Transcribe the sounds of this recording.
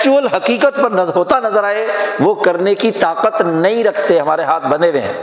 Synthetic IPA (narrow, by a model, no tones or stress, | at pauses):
t͡ʃuəlɦɐqiːqət̪pɐɾnɐzɦoːt̪anɐzəɾaːeʋokɐɾnekit̪aːqət̪nɐɦĩɾɐkʰt̪eɦɐmaːɾeɦaːt̪ʰbɐ̃neʋḛ̃ː